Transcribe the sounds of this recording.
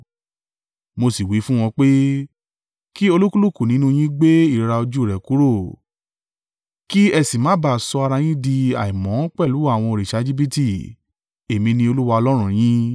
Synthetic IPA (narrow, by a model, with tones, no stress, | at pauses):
mo˧si˨wi˨˦fũ˦w̃ɔ̃˧k͡pe˦ | ki˦o˧lu˦ku˦lu˦˨ku˦˨nĩ˦nũ˦j̃ĩ˦ɡ͡be˦i˦˨ɾa˧o˧d͡ʒu˦˨ɾɛ˨ku˨˦ɾo˦˨ | ki˦ɛ˧si˨mãː˨˦ba˦˨sɔ˧a˧ɾa˧j̃ĩ˦di˧a̰˨i˨mɔ̃˨˦k͡pɛ˦˨lu˨˦a˦˨w̃ɔ̃˧o˧ɾi˨ʃa˨˦d͡ʒi˦bi˦ti˦˨ | e˨mĩ˧nĩ˧o˧lu˦wa˧ɔ˧lɔ˦ɾ̃ũ˦˨j̃ĩ˦